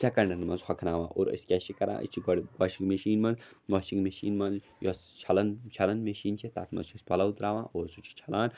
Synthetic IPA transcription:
sʰɐkɐɳɖɐnmɐnzxɐkʰnaːʋã̰ːʔo̰ːɾɐ̰skʲɛʃikɐɾʔã̰ːʔḭt͡ʃʰiɡɽɡɔːʃiŋɡmeʃiːnmɐnzʋɔːʃiŋɡmeʃḭːnmɐnz | jɔst͡ʃʰɐlɐnt͡ʃʰɐlɐnmeʃiːnt͡ʃʰet̪a̰ːt̪mɐ̰zt͡ʃʰospɐlɐut̪ɾaːʋã̰ːʔoːɾsut͡ʃʰi̥t͡ʃʰɐlaːn

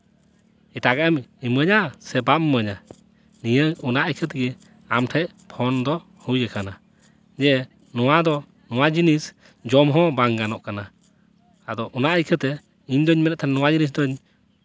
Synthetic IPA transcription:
ɛʈaɡamiməɲasɛbapməɲa | nijəɔnaʔəjkʰət̪̬ɡɛ | amʈʰɛʔ | pʰɔnd̪ɔ | hujɛkana | d͡ʒɛ | nɔwad̪ɔ | nɔwad͡ʒinis | d͡ʒɔmɦɔ̃baŋɡanɔʔkana | ad̪ɔʔɔnaʔajkʰət̪ɛ | iɲd̪ɔɲmɛɾɛt̪̚t̪ʰannɔwad͡ʒinis̬d̪ɔɲ

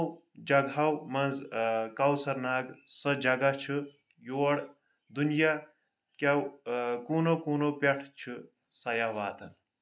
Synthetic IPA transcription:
w | d͡ʒɐɡʱɐwmɐnzkɐwsɐɾnaːɡsɐ̃d͡ʒɐɡat͡ʃʰɨ | joːɽ | d̪unja | kɐwkuːnokuːnopʲeʈʰt͡ʃʰɨ | sɐjaʋaːt̪ɐn

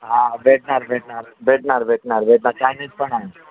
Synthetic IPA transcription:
ɦãbʱeʈ̚naɾbʱeʈnaɾbʱeʈnaɾbʱeʈnaɾbʱeʈnaɾkajnit͡spəɳaɦe

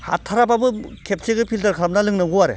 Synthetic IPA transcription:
ha̰tʰːaɾababɯkʰep̚seɡɯpʰiltaɾkʰɾm̚nalɯŋnɯŋɡuwaɾḛ

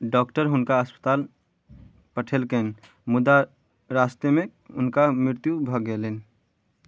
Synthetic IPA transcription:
ɖɔkʈəɾɦʊnkaəspə̥t̪aːl | pəʈʰelken | mʊd̪a | ɾast̪jəmeʊnkamɾɪɾt̪jubʱəɡelen

